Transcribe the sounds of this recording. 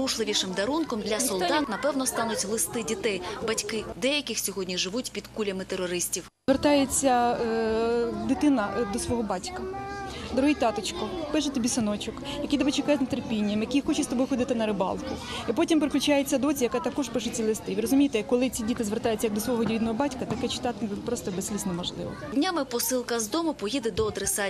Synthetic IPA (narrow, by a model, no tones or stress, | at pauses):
uʒlˠɪʋʲiʃɪmd̪ɐɾunkɔmd̪lʲɐsɔlˠd̪ɑt̪nɐpɛwnɔst̪ɑnʊtʲɦlˠɪst̪ɪdʲit̪ɛjbɐtʲkɪd̪ɛjɐkʲɪxsʲɔɦɔdʲnʲiʒɪʋutʲpʲid̪kulʲɐmɪt̪eɾɔɾɪsʲtʲiwzʋert̪ɑjet͡sʲːɐ | d̪ɪt̪ɪnɐd̪ɔsʋɔɦɔbɑtʲkɐd̪ɔɾɔɦɪjt̪ɑt̪ɪt͡ʃkɔpɪʃet̪ɔbʲisɪnɔt͡ʃʊkjɐkʲijt̪ɐbɛt͡ʃɪkɑjɛznt̪erpʲinʲːɐmjɐkijxɔt͡ʃɪst̪ɔbɔjxɔd̪ɪt̪ɪnɐɾɪbɑ̰lˠkʊ | ipɔtʲimpɾɪklʲʊt͡ʃajet͡sʲːɐd̪ɔt͡sʲijɐkɑt̪ɐkɔʃpɪʃet͡sʲilˠɪst̪ɪʋʲɪɾrɾɔzʊmʲijt̪ɛkɔlˠɪt͡sʲidʲit̪ɪzʋert̪ɑjʊt͡sʲɐjɐɡ̚d̪ɔsʋɔɦɔdʲid̪nɔɦɔbɑtʲkɐt̪ɐkɛt͡ʃɪ̥t̪ɑt̪ɪpɾɔst̪ɔbessʲlʲisnɔmɔʒlˠɪ̰ʋɔ̰dʲnʲamɪpɔsɪlˠkɐzd̪ɔmʊpɔjid̪ɛd̪ɔːd̪ɾesɑ